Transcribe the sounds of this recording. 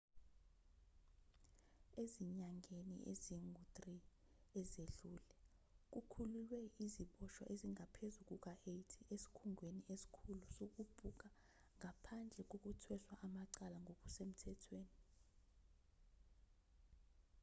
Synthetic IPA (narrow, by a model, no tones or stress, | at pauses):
eziɲaŋʱenḭʔḛziŋʱutʼri | ɛzeɮuːlɛ | k̬ʼukʰululwɛiziɓɔʃwɔ̰ʔeziŋʱapʰezuk̬ʼuk̬ʼaejtʰiʔesi̥kʰuŋʱweniʔesi̥kʰulusok̬ub̥ʱuk̬a | ŋʱapʰand͡ɮʱɛk̬ok̬utʰwɛswaʔamaǀalaŋʱok̬ʼusem̩tʰɛtʰweːni